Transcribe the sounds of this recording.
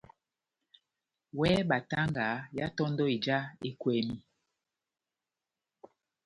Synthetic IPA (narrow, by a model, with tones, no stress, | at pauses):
wɛ˦ɓa˨ta˦ŋɡa˨˦ja˦tɔ˦ndɔ˦e˨d͡ʒa˦e˦kwɛ˨mi˦